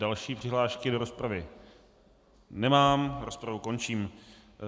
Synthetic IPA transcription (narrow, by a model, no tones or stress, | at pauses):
dalʃiːpr̝̥ɪɦlaːʃkɪdo̞ɾospɾavɪ | nɛmaːmɾospɾavuko̞nt͡ʃiːm